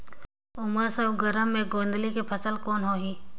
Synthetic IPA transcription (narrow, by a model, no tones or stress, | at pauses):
ʊməɾsəɡəɾəmːẽɡõːnd̪likepʰəsəlkoːnɦoːɦiː